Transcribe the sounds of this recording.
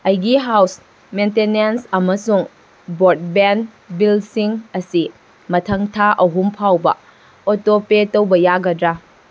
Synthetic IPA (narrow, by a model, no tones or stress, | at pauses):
ɐjɡiɦaws | mentenensɐmɐsuŋ | bot̚ben | bilsiŋɐsi | mɐtʰɐŋtʰaʔɐɦumpʰawbɐ̰ | otopetowbɐjaɡɐdɾa